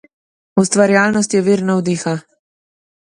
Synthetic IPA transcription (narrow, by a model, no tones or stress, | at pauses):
ust̪ʋaɾjaːlnɔst̪jɛʋiɾnawd̪iːxa